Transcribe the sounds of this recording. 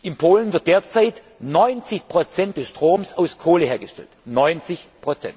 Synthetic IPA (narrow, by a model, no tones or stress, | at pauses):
ʔɪnpʰoːlənvɪɐt̚d̥eːɐt͡saɪt | nɔʏnt͡sɪçpʁ̥ot͡sɛnt̚d̥ɛsʃtʁ̥oːmsaʊskʰoːləheːɐɡəʃtɛ̰ltnɔʏnt͡sɪçpʁ̥ot͡sɛ̰nt